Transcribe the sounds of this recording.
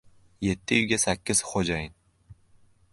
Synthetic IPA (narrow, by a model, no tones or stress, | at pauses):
je̞t̪ʰːɪʊɡʲasakʲːɪz̥χod͡ʒajɪn